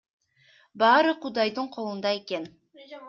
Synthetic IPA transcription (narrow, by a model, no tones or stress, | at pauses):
bɑːɾɯqud̪ɑjd̪ɯɴqʰo̞lˠund̪ɑe̞ke̞n